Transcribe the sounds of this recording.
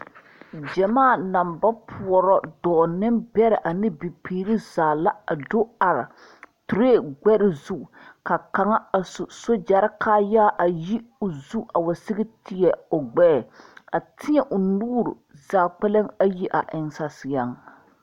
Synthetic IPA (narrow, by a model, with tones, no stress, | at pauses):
d͡ʒɛ˨maː˦˨na˨mba˦pʰu˨ɔ˨ɾɔ˦dɔː˨nɪ˦mbɛ˦ɾɪ˨ʔa˨nɪ˦bi˨piː˨ɾi˦zaː˨la˦a˨do˦a˨ɾɪ˨ | tu˨ɾeː˦ɡ͡bɛ˦ɾɪ˦zu˦˨ka˨ka˨ŋa˦˨sso˦d͡ʒa˨ɾɪ˦kʰaː˦ja˦˨ʔa˨ji˦ʊ˨zu˦a˨wa˨sɪ˦ɡɪ˦tɪ˦jɛ˨o˨ɡ͡bɛ˦˨a˨tɪ˦ɲɛ˨ʔʊ˨nuː˦ɾʊ̰˨zaː˨k͡pɛ˦lɨ˦ŋa˦ji˦ʔa˨ʔɪ˨ŋsa˨sɪ˨a˦ŋ